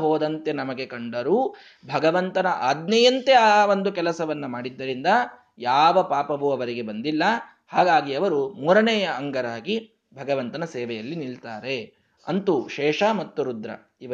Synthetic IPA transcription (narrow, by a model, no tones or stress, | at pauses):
ɦoːd̪ɐnt̪e̞nɐmɐɡe̞kɐɳɖɐɾuː | bʱɐɡɐʋɐnt̪ɐnɐʔaːd̪nɐjɐnt̪e̞aʋond̪ukɛlɐsɐʋɐnːumaːɽid̪ːɐɾind̪ɐ | jaːʋɐpaːpɐʋuɐʋɐɾiɡe̞bɐnd̪ilːɐ | haːɡaːɡiɐʋɐɾumuːɾɐnɛːjɐːŋɡɐɾaːɡi | bʱɐɡɐʋɐnt̪ɐnɐseːʋejɐlːiniɭt̪aːɾe̞ | ɐnt̪uʃɛːʂamɐt̪ːuɾud̪ɾɐ̰ | iʋɐ